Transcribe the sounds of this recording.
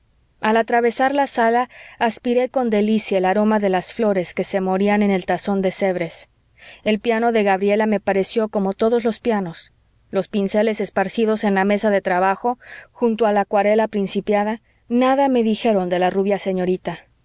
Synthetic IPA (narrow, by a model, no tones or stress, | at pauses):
alat̪ɾaβe̞saɾlasalaːspiɾe̞ko̞nd̪e̞lisjaelaɾo̞maðe̞lasflo̞ɾe̞ske̞se̞mo̞ɾiane̞ne̞lt̪aso̞nd̪e̞se̞βɾe̞s | e̞lpjano̞ðe̞ɣaβ̞ɾie̞lame̞paɾe̞sjo̞ko̞mo̞t̪o̞ðo̞zlo̞spjano̞s | lo̞spinse̞le̞se̞spaɾsiðo̞se̞nlame̞saðe̞t̪ɾaβaxo̞xunt̪oalakwaɾe̞lapɾinsipjaða | naðame̞ðixe̞ɾo̞nd̪e̞laruβjase̞ɲo̞ɾit̪a